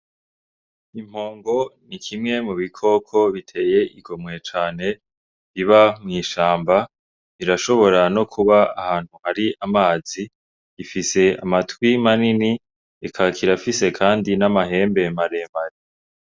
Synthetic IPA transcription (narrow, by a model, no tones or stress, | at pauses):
im̥ho̞ːŋɡo̞nikʰimŋe̞muβikʰo̞kʰo̞βitʰe̞ːje̞ʔiɡo̞mŋe̞t͡ʃaːne̞ | βiβamŋiːʃaːmba | βiɾaʃo̞βo̞ɾano̞kʰuβaːhaːn̥huhaɾiamaːzi | ɡifise̞a̰matwimanini | ekʰakʰiɾafise̞kʰaːndinamahe̞ːmbe̞maɾe̞ːmaɾi